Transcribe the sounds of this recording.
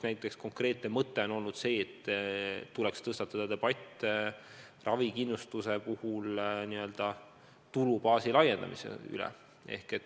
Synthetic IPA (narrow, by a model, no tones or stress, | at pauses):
snæjt̪ːˑeksko̞ŋkre̞ːt̪ne̞mɤt̪ːe̞o̞nolnud̪̥se̞ːt̪ː | ulekst̪ɤst̪ɑt̪ːɑd̪̥ɑd̪e̞b̥ɑt̪ʲː | rʔɑvikinːust̪use̞puhulniø̞ld̪̥ɑ | t̪ulupɑːsilɑje̞nd̪ɑ̰mḭsḛy̰lḛ | e̞̰hket̪ːˑ